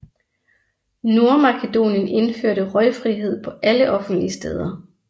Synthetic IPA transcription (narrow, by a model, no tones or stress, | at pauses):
no̝ɐmɑ̈kʰed̥o̝̰ːnjəne̝nføɐ̰ɾəʁɒɪfʁiɦe̝ð̞̰ˠpʰɒ̽ʔæləʔɒ̽fn̩d̥liəsd̥ḛːð̞ˠɐ